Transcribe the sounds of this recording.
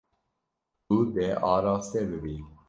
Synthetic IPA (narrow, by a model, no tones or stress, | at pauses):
ub̪ɛʔɑːɾɑːst̪ɛbɨbiː